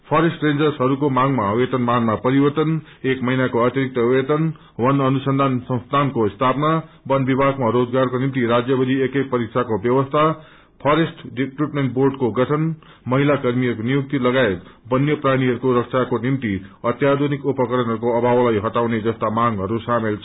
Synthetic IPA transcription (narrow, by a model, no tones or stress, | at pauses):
pʰʌɾesʈrend͡zʌrsɦʌɾukomaŋmawet̪ʌnmanmapʌɾibʌrt̪ʌn | ekmʌɦinakoat̪jiɾik̚t̪ʌuwet̪ʌn | wʌnʌnusʌnd̪ʱansʌ̃w̃st̪ʰankost̪ʰapna | bʌnbibʱaɡmaɾod͡zɡarkonimt̪iɾad͡zjʌbʌd̪ʱiekek̚pʌɾik̚sʰakobjʌwʌst̪ʰa | pʰʌɾesʈʰɖiʈriʈmeɳʈborɖkoɡʌʈʰʌn | mʌɦilakʌrmiɦʌɾukonijuk̚t̪ilʌɡaet̪bʌnjʌpraɽ̃iɦʌɾukoɾʌk̚sʰakonimt̪iʌt̪jad̪ʱonikupʌkʌɾʌnɦʌɾukoʌbʱawlajɦʌʈawned͡zʌst̪amaŋɦʌɾusamelt͡sʰʌ